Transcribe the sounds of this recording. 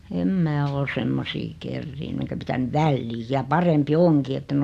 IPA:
em mæː ol semːosiː kerːiːnːy enkæ pitænyʋ̆ ʋælːiːj jɑ pɑrempi oŋki etːen

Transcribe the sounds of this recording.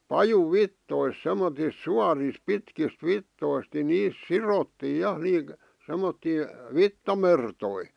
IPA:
pɑjuʋːitːois semːotis suɑris pitkist ʋitːoist ni niːs sirotːiː jɑ semːotːiː ʋitːɑmertoi

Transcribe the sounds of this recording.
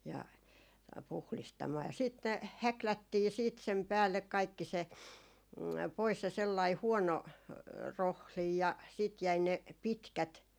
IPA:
jɑ puhlistɑmɑː jɑ siːt ne hæklætːiː siːt sem pæːlːek kɑikːi se pois se selːɑi huɔno rohlij jɑ siˑt jæi ne pitkæt

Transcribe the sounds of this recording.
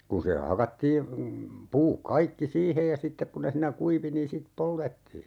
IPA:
kun̞ se hɑkɑtːiː puːk kɑikːi siːhej jɑ sitːek ku ne siːnæ kuiʋi niːn sit poltetːiː

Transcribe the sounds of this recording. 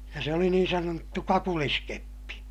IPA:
jɑ se oli niːn sɑnotːu kɑkuliskepːi

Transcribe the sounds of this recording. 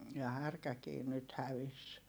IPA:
jɑ hærkækiː nyt hæʋis

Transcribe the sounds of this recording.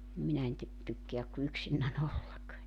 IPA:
nim minæ en ty tykːeæk ku yksinːæn olːɑk

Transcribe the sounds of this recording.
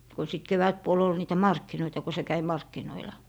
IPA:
ko sit keʋætpuol ol niːtæ mɑrkːinoitɑ ko se kæi mɑrkːinoilɑ

